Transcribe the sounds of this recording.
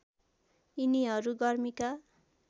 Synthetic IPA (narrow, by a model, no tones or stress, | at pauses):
iniɦʌɾuɡʌrmika